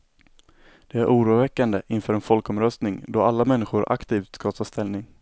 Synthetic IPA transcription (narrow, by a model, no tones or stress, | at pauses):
d̪̥ɛæɾʔuːɾuːvɛkːand̪əʔɪnfœːɾɛnfɔlkɔmɾœst̪nɪŋd̪ɔalːamɛnːɪɧʊɾʔa̰kt̪ʰiːft̪skɑt̪ʰɑːst̪ɛlnɪŋ